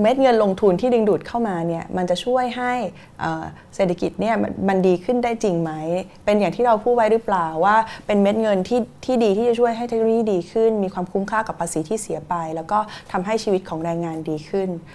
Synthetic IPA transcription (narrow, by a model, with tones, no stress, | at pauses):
me˦˥t̪̚ŋɤ˧nlo˧ŋt̪ʰu˧nt̪ʰiː˥˩dɯ˧ŋduː˨˩t̪̚kʰa˥˩wmaː˧ni˥˩ɐma˧nt͡ɕa˨˩t͡ɕʰu˥˩əjɦa˥˩j | ʔɤː˨˩ | seː˨˩t̪ʰːa˧ki˨˩t̪̚ni˥˩ɐ̰ma˧ndiː˧kʰɯ˥˩ndaː˥˩jt͡ɕi˧ŋma˦˥j | pe˧njaː˨˩ŋt̪ʰiː˥˩ɾa˧wpʰuː˥˩t̚wa˦˥jɾɯ˦˥plaː˨˩wːaː˥˩pe˧nme˦˥t̪̚ŋɤ˧nt̪ʰiː˥˩t̪ʰiː˥˩diː˧t̪ʰiː˥˩t͡ɕa˨˩t͡ɕʰu˥˩əjɦa˥˩jt̪ʰe˦˥k̚noː˧jiː˥˩diː˧kʰɯ˥˩nmiː˧kʰwaː˧mkʰu˧˦˥mkʰaː˥˩ka˨˩pʰːaː˧siː˩˦t̪ʰiː˥˩si˨˩˦ɐpa˧jlɛ˦˥wkɔː˥˩t̪ʰa˧mɦa˥˩jt͡ɕʰi˧wi˦˥t̪̚kʰɔː˩˦ŋɾɛː˧ŋːaː˧ndiː˧kʰɯ˥˩n